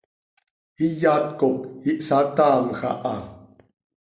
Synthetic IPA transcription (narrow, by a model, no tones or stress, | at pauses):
ijat̪kop̚iʔsat̪aːmxaʔa